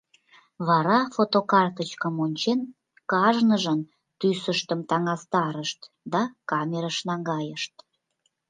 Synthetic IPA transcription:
βɑɾɑfot̪okɑrt̪ət͡ɕkəmonʲt͡ɕen | kɑʒnəʒən | t̪ysəʃt̪əmt̪ɑŋɑst̪ɑɾəʃt̪ | d̪ɑkɑmʲeɾəʃnɑŋɡɑjəʃt̪

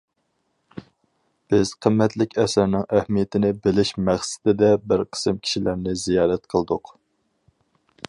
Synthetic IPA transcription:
b̥ɪz̥qʰəmːɛt̪lɪkʲɛsæɾnɪŋʔæhmijɪt̪ʰɪnɪbɪlɪʃmæχsɪ̥d̪ɪd̪ɛbɪɾqʰə̥sɨmkʲʰi̥ʃilʔæɾnɪzijɑːɾɛt̪qʰəlˠd̪ʊq

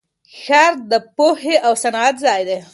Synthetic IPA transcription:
xaɾd̪əpoheʔawsanat̪zɑjd̪e

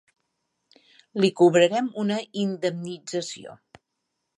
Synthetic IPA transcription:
likuβɾəɾɛmunəind̪əmnid͡zəsio̰

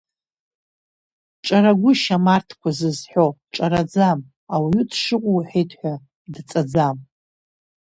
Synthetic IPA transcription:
ʈ͡ʂʼaɾaɡʷʊʃamartʰkʷʰazɨzħʷᶣoʈ͡ʂʼaɾad͡zam | awiutʰʂɨqʷʼuwħejtʰʼħʷᶣa | dt͡sʼad͡zam

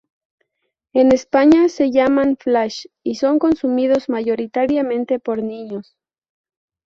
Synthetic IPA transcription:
e̞ne̞spaɲase̞ʝamanflaʃ | iso̞ŋko̞nsumið̞o̞zmaʝo̞ɾit̪aɾjamẽ̞nt̪e̞po̞ɾniɲo̞s

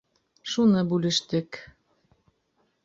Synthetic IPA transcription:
ʃunɤ̆bulʲɘ̆ʃt̪ɘ̆k

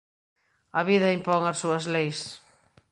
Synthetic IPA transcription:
ɐβiðɐimpɔŋɐsːuɐzlejs

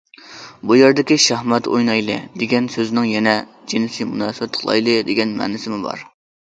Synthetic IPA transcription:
bujeɾd̪ɪkʲiʃɑhmɛt̪o̰jnɑjlˠɨd̪eɡʲɛnsøzɪnɪŋjɛnɛd͡ʒenɪsimunɑːsɨbɛt̪qʰlˠɑ̰jlˠɨd̪eɡʲɛnmɛ̰ːnɪsɪmɪbɑ̰ɾ

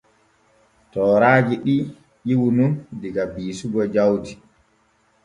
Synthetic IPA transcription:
tɔːɾaːd͡ʒiɗi | ʔiwunundiɡabiːsuɡɔd͡ʒawti

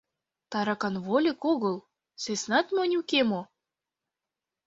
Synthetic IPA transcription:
t̪ɑɾɑkɑnvolʲekoɣɤlˠ | sesnɑt̪mʲonʲukemo

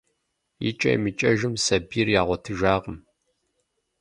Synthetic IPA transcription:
jḭt͡ʃʼɐ̰jmɨt͡ʃʼɐʒɨmsɐbiːrjaːʁʷɔtʰɨʒaːʁəm

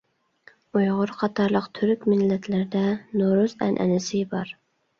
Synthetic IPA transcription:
ujʁʊɾqʰɑt̪ʰɑɾlˠəqt̪ʰyɾykʲmɪlːɛt̪ʰlɪɾd̪ɛnoɾuzɛ̰nʔɛ̰nɪsɪbɑɾ

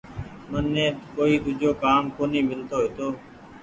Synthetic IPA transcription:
mənːẽːkoːiːt̪ʊd͡ʒʱoːkaːmkoːniːmɪlt̪oːɦɪt̪oː

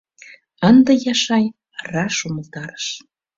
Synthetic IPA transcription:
ənd̪ə̆jɑʃɑj | rɑʃuməlt̪ɑɾə̥ʃ

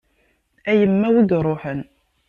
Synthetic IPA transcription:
æjəmːæwid̪ɾˤoħən

